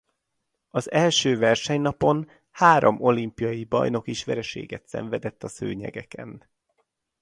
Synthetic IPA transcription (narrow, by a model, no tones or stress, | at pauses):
ɒzɛlʃøːvɛrʃɛɲnɒpo̞n | haːɾo̞̰mo̞limpijɒjibɒ̰jno̞kiʃʋɛɾɛʃḛːɡɛt̪sɛ̰ɱvɛd̪ɛt̪ːɒsø̰ːɲɛ̰ɡɛkɛn